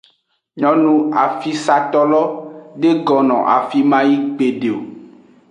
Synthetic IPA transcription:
ɲɔ̃˦nũ˦a˨fi˦sa˨t̪ɔ˦lɔ˦ɖe˦ɡɔ˨nɔ̰̃˨ʔa̰˨fi˦mã˦ji˦ɡ͡be˨ɖe˨o̰˨

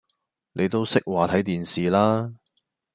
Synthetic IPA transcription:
ne˨˧jt̪o˥wsɪ˥k̚waː˨˩t̪ʰɐ˨˥jt̪iː˨nsiː˨laː˥

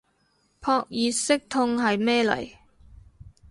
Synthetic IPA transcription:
pʰɔː˧k̚jiː˨˧sɪ˥k̚t̪ʰʊ˧ŋɦɐ˨jmɛː˥lɐ̰˨˩j

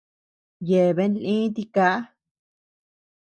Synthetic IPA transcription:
je˨βe˧˦nlĩ˦t̪̬i˧ka˦a˦

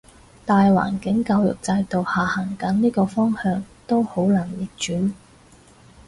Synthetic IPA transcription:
t̪aː˨jwa̰ː˨˩nkɪ˨˥ŋka˧wjʊ̰˨k̚t͡sɐ˧jt̪o˨whaː˨hɐ˨˩ŋkɐ˨˥nniː˥kɔː˧fɔː˥ŋhœː˧ŋt̪o˥who˨˥wlaː˨˩njɪ˨˩k̚t͡ʃyː˨˥n

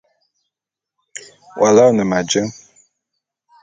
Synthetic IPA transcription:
wʔa˨la˦wnə˨ma˨d͡ʒə˦ŋ

